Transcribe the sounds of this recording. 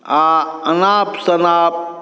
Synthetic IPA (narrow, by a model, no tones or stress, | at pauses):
aɐnaːpsɐnaːp̚